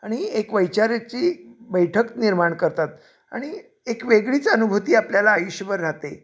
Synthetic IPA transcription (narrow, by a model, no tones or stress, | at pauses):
aɽ̃iekʋəjt͡ɕaɾjat͡ɕiːbəjʈʰəkniɾmaɳkəɾt̪at̪ | a̰ɽ̃i | ekʋeɡɭiːt͡sənubʱut̪iːapljalaːjuɕəbəɾːat̪e